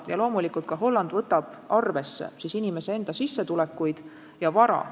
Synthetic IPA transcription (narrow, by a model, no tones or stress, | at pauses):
jɑlo̞ːmulikult̪̚kɑɦo̞lːɑnd̪̥vɤt̪ːˑɑb̥ | ɑrve̞sːḛsisinime̞see̞nd̪̥ɑsisːet̪ule̞kːˑujd̪̥ | jɑvɑɾɑ̰